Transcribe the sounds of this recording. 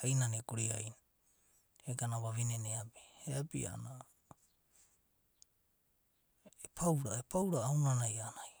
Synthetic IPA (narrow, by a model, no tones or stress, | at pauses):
ajnanekuɾiajn | eɡanaβaβineneapi̥heapḭa̰na | epʰawɾaepawɾaːwnanajanaj